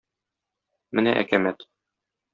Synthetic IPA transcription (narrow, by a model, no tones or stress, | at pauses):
mɘnæ̰ʔæ̰kæmæt̪